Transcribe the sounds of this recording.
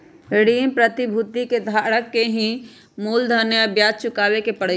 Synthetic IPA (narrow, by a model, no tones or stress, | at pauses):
ɾeɽiːmpɾət̪ibʱut̪iked̪ʱaːɽəkːeɦĩ | muːld̪ʱənjəbjaːd͡ʒ̚t͡ʃʊkaːwekepɐɽ̤